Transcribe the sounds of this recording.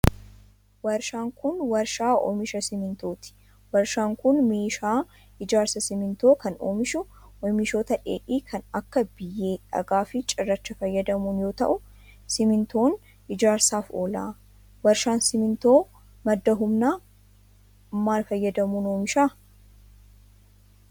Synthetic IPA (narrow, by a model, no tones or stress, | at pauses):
wɐɾʃaːŋkʊnwɐɾʃaːo̰mɪʃɐsɪmɪnt̪o̞ːt̪ɪ̥ | wɐɾʃaːŋkʊnmeːʃaː | ʔɪd͡ʒaːɾsɐsɪmɪnt̪oːkɐno̰ːmɪʃʊ | ʔɔmɪʃoːt̪ɐᶑḛːʔiːkʰɐnɐkːɐbɪjːe̞ːᶑɐ̰ɡaːfɪt͡ʃʼɪrːɐt͡ʃːɐfɐjːɐd̪ɐmuːnjo̞ːt̪ɐ̰ʔʊ | sɪmɪnt̪o̞ːn | ʔɪd͡ʒaːɾsaːfo̰ːla̰ː | wɐɾʃaːnsɪmɪnt̪oː | mɐd̪ːɐɦʊmnaː | mːaːlfɐjːɐd̪ɐmuːnoːmɪʃaː